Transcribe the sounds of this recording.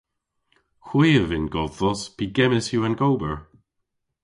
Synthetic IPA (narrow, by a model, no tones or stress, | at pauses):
xwiːəvɪnɡɔðθɔspʰiɡɛməsjuanɡowbəɹ